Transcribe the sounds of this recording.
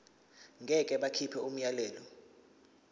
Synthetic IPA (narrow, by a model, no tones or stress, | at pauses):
ŋɡʱɛkʼɛɓakʰipʰɛum̩jalɛːlɔ